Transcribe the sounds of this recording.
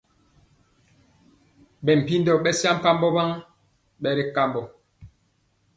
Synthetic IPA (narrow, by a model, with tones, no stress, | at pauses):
bɛ˨m̩˨pi˦ndɔ˨ɓɛ˦sja˦m̩˦˨pa˦m˦bɔ˦ba˦ŋ | ɓɛ˦ɾi˦ka˦mbɔ˨